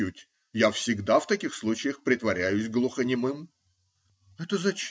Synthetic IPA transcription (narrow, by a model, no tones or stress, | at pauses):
utʲ | jafsʲɪɡd̪aft̪ɐkʲixslˠut͡ɕɪjəxpɾʲɪt̪vɐɾʲæjʉsʲɡlˠʊxənʲɪmɨm | ɛt̪əzɐt͡ɕ